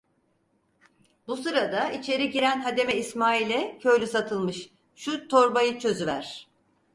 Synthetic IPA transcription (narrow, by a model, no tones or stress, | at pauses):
busɯɾad̪ait͡ʃʰe̞ɾiɟiɾænɦad̪e̞mɛismaːilʲɛcʰø̞jlʲysat̪ʰɯlˠmɯʃ | ʃut̪ʰo̞ɾbajɯt͡ʃʰø̞zyvæ̰ɾ̥